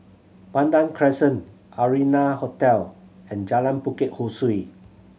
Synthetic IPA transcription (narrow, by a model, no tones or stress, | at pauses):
pãndãŋkʰɹɛsə̃n | ʔaɹinahɔtɛlɛ̃nd͡ʒalãnpukɪt̚husui